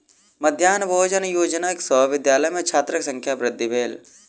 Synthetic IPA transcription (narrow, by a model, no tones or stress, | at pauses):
mɐd̪ʱjaːnboːd͡ʒɐnjoːd͡ʒənaːksɔʋɪd̪jaːlɐjmẽt͡ʃʰaːt̪ɾɐksɐ̃ŋkʰjaːpɾɪd̪ːibeːl